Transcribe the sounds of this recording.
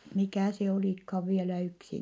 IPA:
mikæˑ se oliˑkhɑːʋ ʋielæ yksi

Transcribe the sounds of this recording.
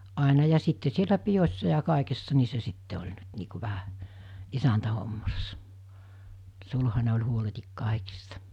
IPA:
ɑˑenɑ jɑ sitːe sielæ pijosʲsɑ jɑ kɑˑekesːɑ ni se sitːe olʲ nyt niː ku ʋæhæ isæntæhomːɑsːɑ sulhɑne olʲ huoletik kɑˑikistɑ

